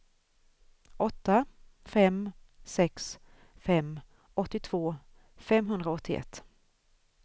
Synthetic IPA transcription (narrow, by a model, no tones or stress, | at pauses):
ʔɔt̪ːafɛm | sɛks | fɛmː | ʔɔt̪ːɪt̪ʰv̥oː | fɛmɦɵnd̪ɾaɔt̪ʰːɪɛ̰t̪ː